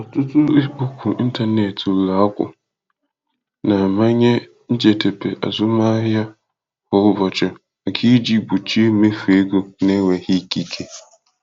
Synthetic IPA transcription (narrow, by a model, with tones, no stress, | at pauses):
ɔ˨tʊ˦tʊ˦bu˦kʷu˨i˦n̩˦ta˦ne˨tu˨la˨˦a˦kʷʊ̰˨ | na˨ma˦ɲe˦ | n̩˦d͡ʒe˨te˨pe˨ʔa̰˨zʊ˦ma˦ɦja˦ | hʊ˦ʊ˦vɔ˨t͡ʃɪ˨ | a˨kʰi˦d͡ʒi˦bu˨t͡ʃe˦me˦fe˦ɡo˦ne˦wʷe˨hi˦ki˨kʰe˨